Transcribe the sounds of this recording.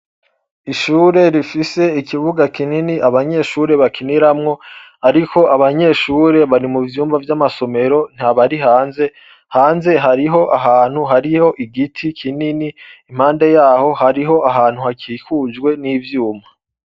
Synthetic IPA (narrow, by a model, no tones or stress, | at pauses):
iʃuːɾe̞ɾifise̞ikivuɡakininiʔaβaɲe̞ʃuːɾe̞βakʰiniɾamŋo̞ | aɾikʰo̞aβaɲe̞ːʃuːɾe̞βaɾimuvjuːmvavjamaso̞me̞ɾo̞n̥haβaɾihaːnze̞ | haːnze̞ɦaɾiɦo̞ʔaɦaːn̥huɦaɾiho̞ʔiɡitʰikʰininiːm̥haːnde̞jaːho̞haɾiɦo̞ʔaɦaːn̥huhakʰiːkuːd͡ʒɡwe̞niːvjuːma